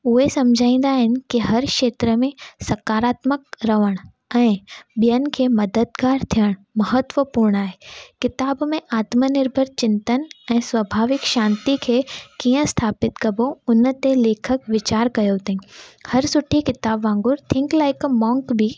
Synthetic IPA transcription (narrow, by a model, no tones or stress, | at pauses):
ʊɦesɐ̃md͡ʒʱaːĩːnd̪aɦɪnɪ̆kiɦɐɾkʃeːt̪ɾəmẽsɐkaːɾaːt̪məkɾɐʋəɽ̃ | ɛ̃ːɓijənkʰemɐd̪əd̪kaːɾt̪ʰijəɽ̃mɐɦət̪ʋəpuːɾɳ̃aːɦeːkɪt̪aːbmẽʔaːt̪mənɪɾbʱəɾt͡ɕɪ̃nt̪ənɛ̃ːsʋəbʱaːʋɪkʃãːnt̪ikʰekijə̃st̪ʰaːpɪt̪kɐboʊnt̪eleːkʰəkʋɪt͡ɕaːɾkɐjot̪ĩhɐɾsʊʈʰikɪt̪aːbʋãːŋɡʊɾt̪ʰɪ̃ŋklaɪkəmɔ̃ːŋkbʱi